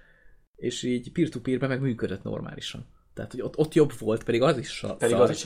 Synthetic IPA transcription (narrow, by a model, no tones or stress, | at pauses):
eːʃiːɟpiːrt̪upiːrbɛmɛɡmyːkød̪øt̪no̰rma̰ːliʃɒ̰n | t̪ɛɦa̰t̪hoɟot̪ːo̞t̪ːjo̞bvo̞lt̪pɛd̪iɡɒziʃːɒ̰ɛii